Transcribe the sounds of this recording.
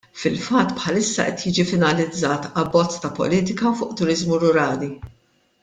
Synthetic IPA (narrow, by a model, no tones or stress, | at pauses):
fɪlfɐt̪ːpħɐlɪsːɐ̰ʔɛt̪jiːd͡ʒifɪnɐlɪd͡zːɐːt̪ɐbːɔt͡sːt̪ɐpɔ̰liːt̪ɪkɐfʊːʔt̪ʊɾɪzmuɾʊɾɐːli